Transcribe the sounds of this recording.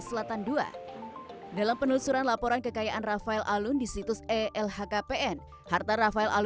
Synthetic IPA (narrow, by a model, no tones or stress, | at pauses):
səlat̪andua̰ | dalampənulsuɾanlapɔɾankəkajaʔanrafaɛlʔalʊndisit̪ʊsɛɛlhakapeʔɛn | hart̪arafaɛlʔal